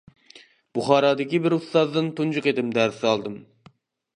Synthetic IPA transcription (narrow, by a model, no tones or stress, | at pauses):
b̥uχɑːɾɑːd̪ɪkʲibɪɾust̪ɑzd̪ɨnt̪und͡ʒʊqed̪ɪmd̪æɾsɑlˠd̪ɨm